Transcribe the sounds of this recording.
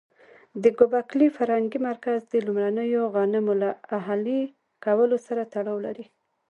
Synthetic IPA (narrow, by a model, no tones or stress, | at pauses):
d̪əɡobaklifaɾhaŋɡimaɾkazd̪əlumɾanəjoɣɑnɪmolaːɦali | kawəlosaɾat̪aɽɑwla̰ɾi